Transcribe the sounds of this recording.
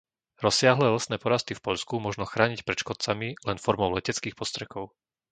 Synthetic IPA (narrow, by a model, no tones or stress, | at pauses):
ɾɔsɪaɦlɛːlɛsnɛːpɔɾast̪ifpɔʎskumʊɔʒnɔxɾaːɲicpɾɛt͡ʃkɔt̪̚t͡samilɛnfɔɾmɔʊlɛcɛt͡skiːxpɔst̪ɾɛkɔʊ